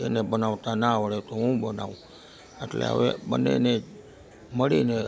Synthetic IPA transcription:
ḛnebənaʋt̪anaʋəɭet̪oɦũbənaʋũ | eʈlḛɦə̰ʋḛɓənːḛne | məɭine

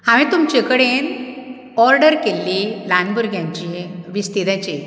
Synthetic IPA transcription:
hãʋẽt̪umt͡ɕekəɽen | ɔɾɖəɾkelːilanbuɾɡʱjãɲt͡ɕiʋist̪id̪ãt͡ɕe

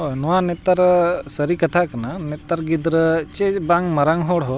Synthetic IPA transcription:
ɦonɔanet̪aɾsəɾikɐt̪ʰakɐnanet̪aɾɡid̪ɾət͡ʃebaŋmɐɾaŋɦoɽɦo

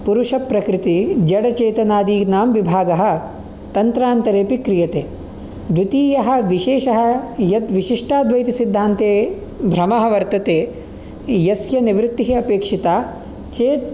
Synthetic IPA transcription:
puɾuʂɐpɾɐkɾɪt̪id͡ʒɐɽɐt͡ʃeːt̪ɐnaːd̪iːɡnaːmʋibʱaːɡɐɦɐ̆ | t̪ɐnt̪ɾaːnt̪ɐɾeːpikɾijɐt̪eː | d̪ut̪iːjɐɦɐ̆ʋiʃeːʃɐɦɐjɐt̪ʋiʃiʂʈaːd̪ʱʋɐjt̪isid̪ʱːaːnt̪eː | bʱɾɐmɐɦɐʋɐɾt̪ɐt̪eː | jɐsjɐniʋɾɪt̪ːiɦiɐpeːkʂit̪aː | t͡ʃeːt̪̚

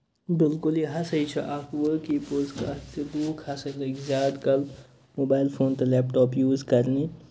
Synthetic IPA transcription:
bɪlkʊliɦɐsəit͡ʃʰɐʔɐpʋəkipozka̰t̪id̪uːkʰhɐsɐjlɐɡzʲaːd̪kɐl | moːbaːjlfʰoːnt̪ɐlɛːpʈɔːpjuːzkɐɾni

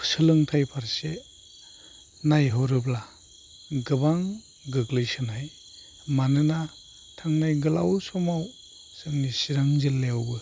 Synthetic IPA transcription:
pʰsɯlɯŋtʰajpʰaɾse | najɦɔɾɯbla | ɡɯbaŋ | ɡɯɡlɯjsɯnaj | manɯna | tʰaŋnajɡɯla̰wsɔmaw | sɯŋnisiɾaŋzɯlːewbɯ

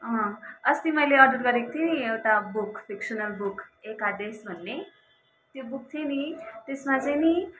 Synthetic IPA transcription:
ʌ̃ʌst̪imʌjleʌd̪ʌt̪ɡʌɾekot̪ʰjeniewʈabukpʰiksʌnʌlbukʰekad̪esbʱʌnːe | t̪jobuk̚t̪ʰjenit̪esmat͡sajni

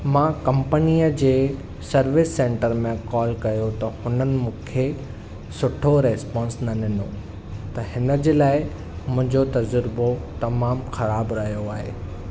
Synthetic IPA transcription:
mãːkɐ̃mpəniːəd͡ʑeː | sɐɾʋɪsːẽːɳʈəɾmẽkɔːlkɐjot̪ɐhʊnənɪ̆mũːkʰe | sʊʈʰoɾɛːspɔ̃ːnsnɐɗɪno | t̪ɐhɪnə̆d͡ʑeːlaːɪ | mʊ̃ɦɪ̃ɲd͡ʑot̪ɐd͡ʑəɾbot̪ɐmaːmxɐɾaːbɾɐɦijoaːɦḛː

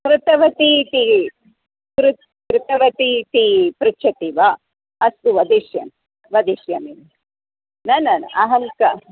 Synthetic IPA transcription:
kɾut̪ɐʋɐt̪it̪i | kɾut̪ | kɾut̪ɐʋɐt̪it̪ipɾut͡ʃʰɐt̪iʋɐ | ɐst̪uʋɐd̪iʃjɐ̰m | ʋɐd̪iʃjɐmin | nɐnɐnɐ̰ʔɐɦɐŋkɐ

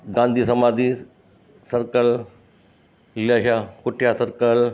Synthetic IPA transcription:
ɡãːnd̪ʱiːsɐmaːd̪i | sɐɾkəl | lijaːʃakʊʈʰjasɐɾkəl

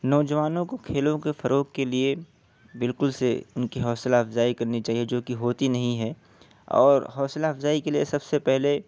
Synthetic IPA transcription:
nɔːd͡ʒɐʋaːnõkokʰeːlõkefɐɾoːkkelie | bɪlkʊlsḛʊnkiɦɔːsɪlaːfzaːikɐɾnit͡ʃaːɦied͡ʒoːkiɦoːt̪inɐɦĩɦɛː | ɔ̰ːɾɦɔːsɪlaːfzaːikeliesɐbsepɛɦle

